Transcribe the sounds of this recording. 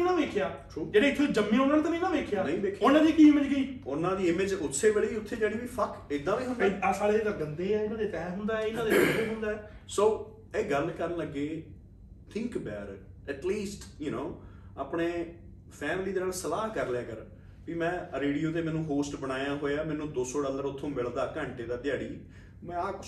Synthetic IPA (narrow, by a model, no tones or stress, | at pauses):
inãːʋeːkʰjaː | uːd͡ʒeːɽeːɪt̪ʰːed͡ʒəmːẽːonanẽːt̪ãnə̃ĩːnãːʋeːkʰjaːnə̃ĩːʋeːkʰeonãːd̪iːkiːɪməd͡ʒɡəiːʊnãːd̪iːɪmed͡ʒʊt̪ʰːeːʋeɽiːʊt̪ʰːeːd͡ʒeːɽiːʋiːpʰəkɪd̪ːãːʋiːɦʊ̃nd̪aaːsaːɽeːd͡ʒeːd̪aːɡənd̪eːɛːɪnãːd̪eːt̪ɛːɦʊnd̪aːɛɪnãːd̪eiːɦʊ̃nd̪aːɛː | soː | eːɡəlkəɾənləɡːeː | t̪ʰɪ̃ŋkbɛːɾ | ɛʈliːsʈjunoːaːpɳeː | pʰɛːmliːd̪eːnaːlsəlaːɦkəɾlɛːkəɾ | piːmɛ̃ːɾeːɖijoːt̪̬eːmɛ̃ːnũːɦoːsʈbəɽ̃aːjãːɦoːeaːmɛ̃ːnũːd̪oːsɔːɖəld̪əɾʊt̪ʰːõːmɪɭd̪aːkə̃ːɳʈeːd̪aːd̪jaːɽiː | mɛ̃ːaː